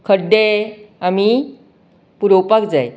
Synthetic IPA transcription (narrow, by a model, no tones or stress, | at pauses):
kʰəɖeami | puɾowpakd͡zaj